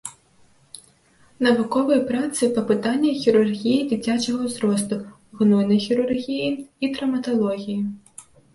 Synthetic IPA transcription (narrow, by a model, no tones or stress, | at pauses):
nɐvukɔvɨjpɾat̪sɨpɐpɨt̪anʲːɐxʲiɾurɣʲijid͡zʲit͡sʲat͡ʃɐɣɐwzɾɔst̪u | ɣnɔjnɐjxʲiɾurɣʲijiit̪ɾɐmɐt̪ɐlˠɔɣʲiji